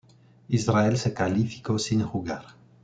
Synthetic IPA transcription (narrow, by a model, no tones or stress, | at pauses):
izɾaɛlsekalifi̥kosinxuɡaɾ